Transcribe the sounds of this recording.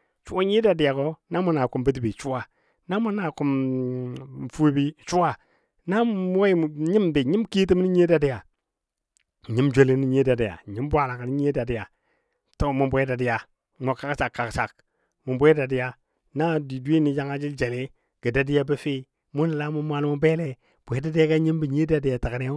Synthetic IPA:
t͡ʃu˦a˦ɲi˦da˨di˨ja˨ko˦na˦mu˦na˨ku˨mbi˦t̬bi˨t͡ʃu˦wa˨ | na˦mu˦na˨ku˨m˨ | fu˦bi˦t͡ʃu˦wa˦ | na˦m˦a˦˨ɲi˦mbe˨ɲi˦mki˦t̬i˦m˦i˦ɲe˦da˨di˦a˨ | ɲi˦md͡ʒo˦li˦ni˦ɲe˦da˨di˨ja̰˨ɲi˦m˦bʷa˨la˨ka˨ni˦ɲe˦da˨di˨ja˨ | to˦mu˨bʷda˨di˨ja˨ | mu˨ka˦ksa˨kːa˨ksa˨k̚ | mu˨mbʷe˦da˨di˦ja˨ | na˦di˨di˦ni˨d͡ʒa˦ŋa˦d͡ʒi˦ld͡ʒe˨le˦ | ɡ̥ə˨da˨di˦ja˦bə˦fi˦ | mu˦ni˨la˦mu˦mʷ˦a˦˨lmu˦be˦le˨ | b̥ʷe˨˦da˦di˦ja˦ka˦ɲi˦mbi˨ɲe˦da˨di˨ja˨ta˨ka˨ne˦

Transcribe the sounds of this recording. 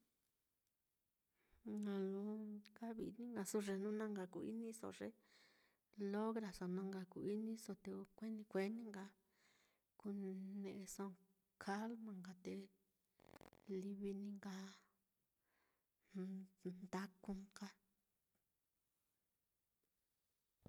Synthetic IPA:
ã˨lũ˧˦ka˦βḭ˨˧nĩ˦ŋɡa˧su˦ʐe˧nũ˦nã˦ŋɡa˧ku˨ḭ˦nĩ˦so̰˨ʐe˦ | lo˦ɣɾa˨so˨nã˧ŋɡa˧ku˨i˦nĩ˦so˧t̪e˧kʷe˦nĩ˧kʷe˧˦nĩ˦ŋɡa˧ | ku˧nẽ˧ʔe˧sõ˧ | kʰa˦lmã˨ŋɡa˨t̪e˧ | li˧βi˧nĩ˦ŋɡa˧ | nd̪a˦ku˧ŋɡa˦

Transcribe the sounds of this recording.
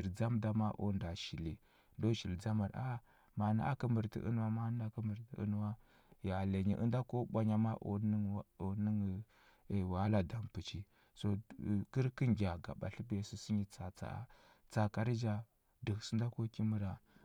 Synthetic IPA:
i˨ɾd͡za˦mda˨˦ma˦ʔo̰˦nda˨ʃi˨li˨ | do˦ʃi˨ld͡za˦ma˨ɾa˦ | ma˨na̰˦ʔa̰˦kə˦mə˨ɾtḭ˨ʔṵ˦n˦wa˦ma˦n˦a˦kə˦mu˨ɾtḭ˨ṵ˦n˦wa˦ | ja˨le˨ɲḭ˨ʔə̰˦nda˦ko˦ɓʷa˦ɲa˦ma˦ʔo̰˨n˦o˨ni˦ŋ˨ | wa˦la˨da˨mpu˨t͡ʃi˦ | so˨ki˦ɾki˦ŋɡʲa˨ɡa̰˨ɓa̰˨ɬi˦be˨su˨si˦ɲi˨t͡sa˨t͡sa̰˨˦ | t͡sa˨ka˨ɾi˦d͡ʒa˦˨ | di˨ksi˦nda˦ko˦ki˦mi˦ɾa˨

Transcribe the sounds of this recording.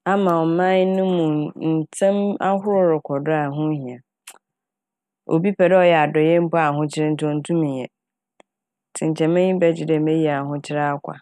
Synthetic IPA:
a˦mã˨ɔ˨mã˦ɲ˦nʊ̃˦mũ˨n̩˨tʰɛ̃˦ma˦ɦʊ˦ɾʊ˦ɾɪ˨kʰɔ˨dʊ˦a˨ɦʊ̃˦ɦĩ˨ã˨ | o̰˨bi˦pʰɛ˨dɛ˦ɔ˨jɛ˨a˨dɔ˨jɛ˦m̩˦pɔ˦a˨ɦʊ̃˦t͡ɕʰɪ˦ɾɪ̃˦n̩˦tʰɔ̃˦n̩˦tʰũ˦mĩ˨jɛ˨ | tʰɪ̃˨ɲ˨t͡ɕʰɛ̃˨mɪ̃˦ɲĩ˦bɛ˦d͡ʑɪ˨dɛ˦˨mɛ̃˦ji˦a˨ɦʊ̃˦t͡ɕʰɪ˦ɾa˦a˦kʰʷa̰˨

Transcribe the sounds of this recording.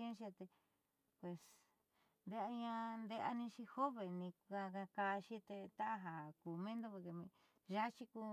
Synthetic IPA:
ʃ̬i˧a˧t̪e˧ | pwe˨s | nd̪e˧a˧ɲã˧nd̪e˧ʔa̰˧nĩ˧ʃi˧ho˦βe˨nĩ˧ka˧ka˧ka˧ʃi˦t̪e˧t̪a˦ʔa˧ɦa˨ku˨mẽ˦nd̪o˦˧βa˧ke˧mĩ˧ | ʒa˦t͡ʃi˧ku˧

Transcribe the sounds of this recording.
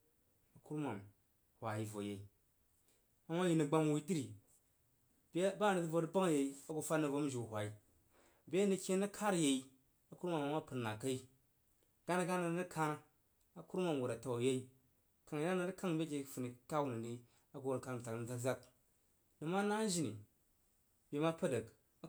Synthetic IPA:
a˨ku˦ɾmʷa˨m˨ | hʷwʷa˨ji˨vo˨je˨i˨ | a˦ŋʷ˦a˦ji˦ni˨ɡ͡ba˦mu˨wi˦ti˦ɾi˨ | bba˦˨ni˨tɨ˦vo˧ɾɨ˦ba˦ŋ˨je˨i˦a˦ɡu˧fa˦nɨ˨vo˧˦d͡ʒu˨hʷa˨i˦ | bʲe˦ni˨˧˦kʲe˦nɨ˦kʰa˦ɾje˨i˦ | a˨ku˦ɾma˨ma˨ŋʷ˦a˦pɨ˨n˨na˨ka˦i˦ | ɡa˦na˦ɡa˦na˨˦nɨ˦kʰa˦n˦ | a˦ku˦ɾmʷa˨u˨ɾa˨ta˨wa˨je˦i˦ | ka˨ŋ˨ɡa˦a˨˦ɾka˦ŋ˨bʲe˦k̬ʲe˨˦fu˨ni˨ka˦wu˦˨ni˨ni˦ | a˦ɡu˨wo˨ɾka˧m˨a˨kn̩˨d͡za˦kd͡za˦k̚ | nɨ˨ma˦na˦ʒi˨nḭ˨ | bʲe˨ma˦pa˦də˨k

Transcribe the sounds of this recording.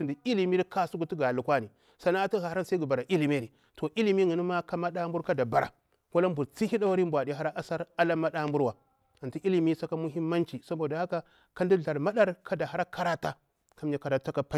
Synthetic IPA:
si˨ndi˨i˦li˨mi˦ɾi˦ka˦su˦ɡu˨ti˦ɡa˨lu˨kwa˦ni˨ | sa˨na˦a˦ti˦ɣa˨hɾa˦nsa˦ɡu˨ba˨ɾa˨ʔi˦li˨me˦˨ni˨ | to˨ʔi˦li˦mi˦ŋi˨ni˦ma˦ka˦ma˦ɗa˦mbu˦ɾka˦da˨ba˨ɾa̰˨ | wa˦la˦mbu˨ɾt͡si˦hi˦ɗa˦wa˦ɾi˦mbʷa˨di˨ɦa˦ɾa˦ʔa˦sa˦ɾa˦la˦ma˦ɗa˦mbu˦ɾwa˨ | a˨nti˦ʔi˦li˨mi˦sa˦ka˦mu˦ɦi˦mːa˦nt͡ʃi˨sa˦bo˨da˨˦a˦ka˦ | ka˦ndi˦ɮa˨ɾma˦ɗa˦ɾkʰa˦da˨ɦa˦ɾa˦kʰa˦ɾa˦ta˦ | ka˦m˦ja˨˦ka˨da˨ta˦ka˦pa˦

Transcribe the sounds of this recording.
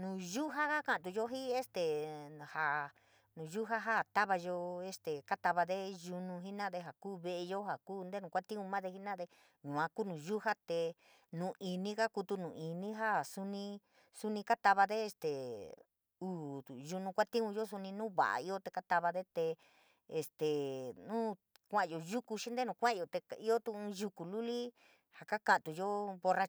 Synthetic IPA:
nũ˨ʒu˦ɦa˦ka˦kã˧˨t̪̬u˧jo˦ɦi˦e˦st̪e˨ha˨ | nũ˨ʒu˦ɦa˦ɦa˦˨t̪a˦βa˧ʒo˧e˧st̪e˨ka˦t̪a˧βa˧ðe˦ʒu˧nũ˧ɦi˦nã˦ðe˧ɦa˨kuː˦βe˧ʔe˧jo˦ɦa˨kuː˦˧nd̪e˦nũ˧˨kʷa˦t̪ĩ˦ũ˧mã˦ðe˧ɦi˦nã˦ðe˧ | ɲũ˨ã˧ku˦nũ˨ʒu˦ha˦t̪e˧ | nũ˨i˧nĩ˦ka˦ku˧t̪u˧nũ˨ʔi˨nĩ˦ɦa˦˨su˦nĩ˧ | su˦nĩ˧ka˦t̪a˧βa˧ðe˦e˧st̪e˨ | uː˨ʒu˧nũ˧kʷa˦t̪ĩ˦ũ˧jo˦s̬u˧nĩ˧nũ˦βa̰˨a̰˨i˦o˦t̪e˧ka˦t̪a˧βa˧ðe˦t̪e˧ | e˨st̪e˨nũː˦ | kʷã˦ʔjo˨ju˦ku˧ʃi˦nd̪e˦nũ˧kʷã˦˧˨jo˨t̪e˧a˧i˦o˦t̪ũ˧ũ˧ju˧ku˨lu˦li˦ | ha˨ka˦kã˧˨t̪u˧jo˦βo˧ra˧

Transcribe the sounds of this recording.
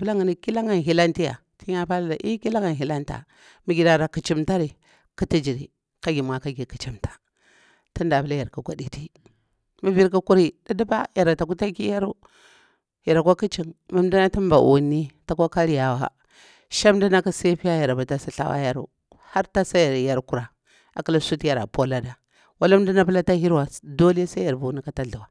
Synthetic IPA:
ə˦la˦ŋə˨ni˨ki˦la˦ŋa˨n˨ɦi˨la˦nti˦ja̰˨ | ti˦ɲa˦pa˦la˦la˨ʔi˦ki˦la˦ŋa˨n˨ɦi˨la˦nta̰˨ | mu˦ɡʲi˨da˨ɾa˨ku˨t͡ʃi˦mta˦ɾi˨ | ku˦ti˦d͡ʒi˨ɾi˨ | ka˦ɡʲi˨m˨a˨ka˦ɡi˨ki˨t͡ʃi˦mtḁ˨ | ti˦nda˨bu˦la˦ja˨ɾku˨ɡʷa˨di˦ti˦ | mu˦vi˦ɾku˦ku˦ɾi˨da˦di˦ba˦ja˨ɾa˨ta˨ku˦ta˦ki˦ja˦ɾu˦ | ja˨ɾa˨kʷa˦ki˦t͡ʃi˦˨nma˦m˦da˦na˦ti˦m˦ba̰˨ʔu˨ni˦ta˨kʷa˦ka˦ɾja˨wa̰˨ | ʃa˦mda˦na˦ka˦sa˦pi˦ja˦ja˨ɾa˨ba˨ta˦sa˦ɬa̰˦wa̰˦ja˦ɾṵ˨ | ha˦ɾta˦sa˦a˨ɾja˦ɾku˨ɾa˨ | a˨ka˦la˦su˦ti˦ja˨ɾa̰˨po˦la˦da˨ | wa˦la˦m˦du˦na˦pə˦la˦ta˦hi˦ɾwa˨do˦li˦ja˦sa˦a˨ɾbu˨˦ni˦ka˦ta˦ɮu˨wa˨

